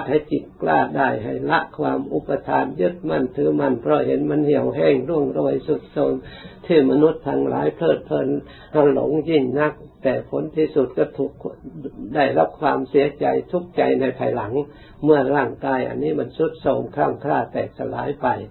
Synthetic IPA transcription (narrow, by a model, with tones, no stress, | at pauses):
t̪̚ha˧˩jt͡ɕi˨˩t̪̚kla̰ː˧˩daː˧˩jɦa˧˩jla˧˦˥ʔkʰwaː˧mʔu˧˥pa˧t̪ʰaː˧˦njɯ˦˥t̪̚ma˧˥˩nt̪ʰɯː˨˦ma˧˥˩npʰɾɔ˧ɦe˨˦nma˧˥˨nhi˧˩əwɦɛː˧˩ŋɾu˧˩əŋɾo˧˩əjsu˧˦˩t̪̚soː˧˩nt̪ʰɯː˧˩ma˧nu˧˦˥t̪ʰːa˧ŋlʔa̰ː˨˦jpʰlɤː˧˩t̪̚pʰlɤː˧˨n | ha˧˩lo̰˧˦ŋji˧˩ŋna˧˥k̚t̪ɛː˨˩pʰo˧˥nt̪ʰiː˧˩su˧˩t̪̚kɔː˧˩t̪ʰu˧˦kda˧˩jɾa˦˥p̚kʰwaː˧msi˨˦ɐt͡ɕa˧jt̪ʰu˦˥k̚t͡ɕa˨jna˧jpʰaː˧jla˨˦ŋ | mɯ˧˩ɐɾaː˧˩ŋkaː˧˩jʔa̰˧˨nːiː˧˥˨ma˧˥˩nsu˧˦˥t̪̚soː˧˩mkʰɾa˧˥˩mkʰɾaː˧˩t̪ɛː˨˩k̚t̪ʰa˧la̰ː˨˦jpa˧j